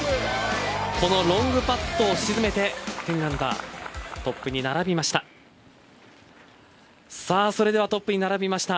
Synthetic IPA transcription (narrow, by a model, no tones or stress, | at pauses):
ko̞no̞ɾõ̞ŋɡɯ̟pat̪ːo̞ːɕizɨme̞t̪e̞t̪ẽnnãnd̪a̰t̪o̞pːɯ̟ɲ̟inaɾabʲimaɕi̥t̪a | saːso̞ɾe̞d̪e̞βat̪o̞pːɯ̟ɲ̟inaɾabʲimaɕi̥t̪a